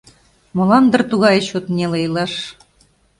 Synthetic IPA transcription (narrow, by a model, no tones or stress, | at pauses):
molɑnd̪ə̆rt̪uɣɑjɕot̪nʲelejlɑʃ